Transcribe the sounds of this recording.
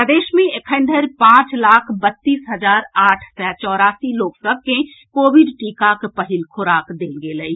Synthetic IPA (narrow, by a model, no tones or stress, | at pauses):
pəd̪eːʃmẽɪkʰə̃ɳɖ̪ʱəɾpãːt͡ʃlaːkʰbət̪ːiːsɦɐzaːɾaːʈʰsɛt͡ʃɔːɾaːsiloːksəb̚ʱke | koːʋɪɖʈiːkakpəɦɪlkʰʊɾaːkd̪eːlɡeləiː